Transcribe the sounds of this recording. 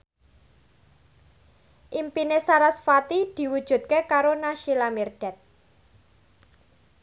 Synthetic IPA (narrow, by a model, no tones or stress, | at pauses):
ʔimpinesaɾasfat̪id̪̥i̤wud̥ʒ̥ṳt̪̚kekaɾonaʃilamirɖ̥ɛt̪̚